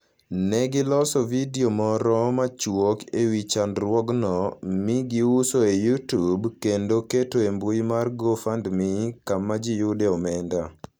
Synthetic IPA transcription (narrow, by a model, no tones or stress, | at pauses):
nɛɡɪlɔsɔvidiomɔɾɔmat͡ʃwokewit͡ʃandɾwɔɡnɔmɪɡiusoejutubkendoketoembujmarɡofandmɪkamad͡ʒijudɛɔmɛnda